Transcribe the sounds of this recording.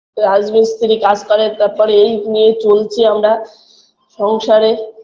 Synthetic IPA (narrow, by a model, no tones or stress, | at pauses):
ɾad͡ʑmist̪ʰiɾikad͡ʑkɔɾet̪aɾpɔɾeejnijet͡ɕolt͡ɕʰiamɾa | ʃɔŋʃaɾe